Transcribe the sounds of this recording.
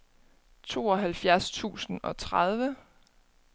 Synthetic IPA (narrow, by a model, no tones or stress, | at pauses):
t͡sʰo̝̰ːɒ̽ɦælfjæɐst͡sʰṵːsn̩ɒ̽t͡sʰʁað̞ˠʋə